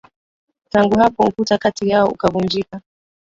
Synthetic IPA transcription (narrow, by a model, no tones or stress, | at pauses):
taŋɡuhapɔukutakatijaɔṵkavund͡ʒika